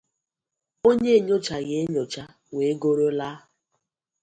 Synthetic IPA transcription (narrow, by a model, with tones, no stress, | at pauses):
o˦ɲɲe˦˨ɲo˦t͡ʃa˨ɣe˦ɲo˨t͡ʃa˦ | we˨˦ɡo˦ɾo˦la˦